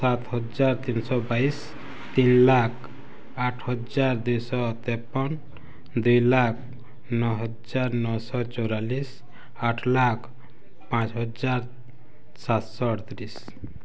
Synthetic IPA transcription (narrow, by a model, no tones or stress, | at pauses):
sat̪ɦɔd͡ʒaɾt̪insɔbais | t̪inlakʰ | aʈʰhɔd͡ʒaɾd̪ujsɔt̪ɛpːɔn | d̪ujlak̚ʰ | nɔɦɔd͡ʒaɾnɔsɔt͡ʃɔwɾalis | aʈʰlakʰ | pãt͡ʃɦɔd͡ʒaɾ | sat̪sɔʈt̪ɾis